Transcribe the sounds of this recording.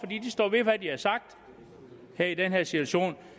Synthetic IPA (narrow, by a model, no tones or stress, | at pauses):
fɒ̽d̥ḭːd̥isd̥ɒ̰ːʋe̝ʋæd̥ihɑsɑ̈ɡ̥̚d̥ | heɐid̥enɦeɐ̰sit͡sʰuæɕo̝̰ːn